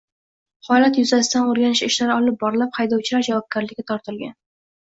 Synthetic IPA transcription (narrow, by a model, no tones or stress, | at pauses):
hɒlat̪jʊzasɪd̪anoɾɡʲanɪʃɪʃlaɾɪɒlɪp̚bɒɾɪlaphajd̪ɒwt͡ʃʰɪlaɾd͡ʒavɒp̚ɡʲaɾlɪkʲːat̪ʰɒɾt̪ʰɪlɡʲan